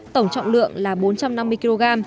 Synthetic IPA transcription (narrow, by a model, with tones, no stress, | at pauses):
t̪ə˧˩wŋ͡mt͡ɕɔ̰˧˨ŋ͡mlɨ̰˧˨əŋlaː˨˩ɓo˨˦nt͡ɕa˧mna˧mːɨ˧əjki˧lo˧ɣaː˧m